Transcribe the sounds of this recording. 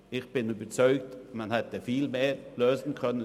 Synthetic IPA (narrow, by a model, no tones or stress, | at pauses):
ɪçb̥ɪnyːbəɾt͡sɔʏɡt̪manhɛt̪əfiːlmeːɾløːsn̩kʰœnə